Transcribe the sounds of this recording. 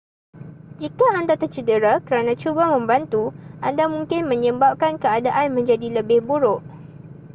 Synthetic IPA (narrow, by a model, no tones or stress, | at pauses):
d͡ʒikaandat̪ərt͡ʃədəɾakəɾanãt͡ʃubamə̃mbant̪uʔandamũŋkɪnmə̃ɲə̃bap̚kankəadaʔanmə̃ɲd͡ʒadiləbɪhbuɾʊʔ